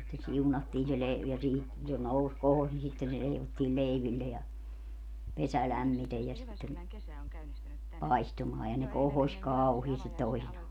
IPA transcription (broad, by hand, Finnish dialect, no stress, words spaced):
sitːe siunɑtːiːn se le jɑ siːhi se nous kohos ni sitːen se leiʋotːiːl leiʋilːe jɑ pesæ læmːitej jɑ sitːen pɑistumɑː jɑ ne kohosʲ kɑuhiːstit toisinɑː